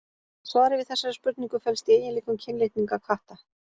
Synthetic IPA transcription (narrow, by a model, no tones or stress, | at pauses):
svaːɾɪvɪðθɛsːaɾɪspʏɾt̪niŋkʏfɛlst̪ieːjɪnliːkʏmcʰɪnleht̪niŋkakʰaht̪a